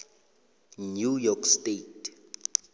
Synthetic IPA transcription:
njujɔkʰstetʰ

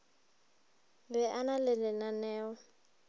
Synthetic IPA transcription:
bɛʔanalɪlɪnanɛːɔ

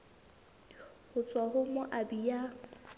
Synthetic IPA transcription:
hʊt͡sʼwaɦʊmʊʔabija

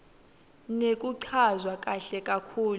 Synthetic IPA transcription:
nekʼuǀʰazwakʼaɬɛkʼakʰuːl

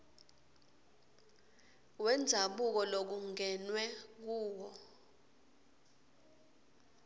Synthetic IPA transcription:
wɛnd͡zʱaɓuk̬ɔlok̬uŋʱɛnwɛk̬uːwɔ

